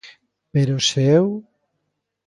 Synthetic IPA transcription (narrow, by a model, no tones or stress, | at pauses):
peɾoseew